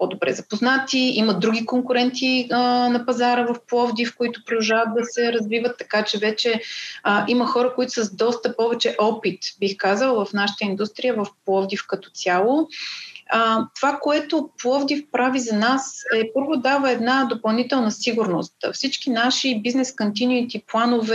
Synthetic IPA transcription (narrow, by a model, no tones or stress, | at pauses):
pɔd̪obɾɛ̰zɐpoznat̪iiməd̪ɾuɡʲikoŋkʊɾɛnt̪ʰiənɐpɐzaɾəvɐfplˠɔvd̪ifkoit̪ʊ̥pɾod̪ɐʒavət̪̚d̪ɐsɛɾɐzvivət̪ːɐkat͡ʃɛvɛt͡ʃɛəʔiməxɔɾəkoit̪ʊ̥səzd̪ɔst̪əpɔvɛt͡ʃɛʔɔpit̪bixkazəlˠvɐfnaʃə̥t̪əind̪ust̪ɾijəvɐfplˠɔvd̪ifkɐt̪ɔ̥t̪sʲjalˠo | ət̪ovakoɛt̪oplˠɔvd̪ifpɾavizɐnasɛpɤɾvod̪avəɛd̪nad̪opɐlˠnit̪ɛlˠnəsiɡuɾnost̪fsit͡ʃkinaʃibiznɛskont̪inuit̪iplˠanovɛ